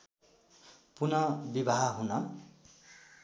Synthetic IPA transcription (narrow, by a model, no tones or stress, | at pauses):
punʌbibaɦʌɦunʌ